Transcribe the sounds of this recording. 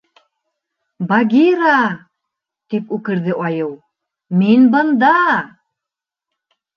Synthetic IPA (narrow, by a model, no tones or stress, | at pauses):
baɡʲiɾɑ | t̪ipʉkɘ̆ɾðɘʔɑjɤw | minbɤ̆nd̪ɑ